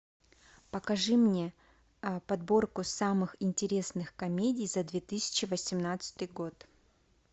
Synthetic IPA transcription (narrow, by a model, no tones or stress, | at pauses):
pəkɐʐɨmnʲe̞ | pɐd̪bo̞rkʊsamɨxɪnʲtʲɪɾʲe̞snɨxkɐmʲedʲɪjzɐd̪vʲe̞t̪ɨsʲɪ̥t͡ɕɪvəsʲɪmnat̪sɨ̥t̪ɨjɡo̞t̪